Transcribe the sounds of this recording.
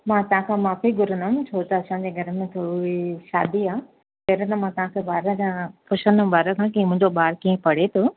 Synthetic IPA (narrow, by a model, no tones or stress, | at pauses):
mãːt̪ɐɦãkʰãːmaːfiɡʊɾənəmt͡ɕʰoːt̪ɐɐsãɲd͡ʑeɡʱɐɾəmẽt̪ʰoʊɦeʃa̰ːd̪iaː | p̪ɐɦɾət̪ɐmãːt̪ɐʋ̤ãːkʰebaːɾəkãpʰʊʃəñbaːɾəkʰãkiə̃mʊ̃ɦɪ̃ɲd͡ʑoɓaːɾkiːə̃pɐɽ̤et̪ʰoː